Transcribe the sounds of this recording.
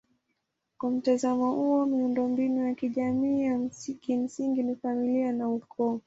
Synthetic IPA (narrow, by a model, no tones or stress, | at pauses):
kwam̩tazamɔhuɔmiundɔmbinujakiʄamiːjam̩kim̩siŋɡinifamilianaukʰɔː